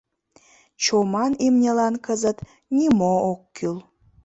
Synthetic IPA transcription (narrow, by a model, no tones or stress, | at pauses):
t͡ɕomɑnimnʲelɑnkəzət̪ | nʲimookːyl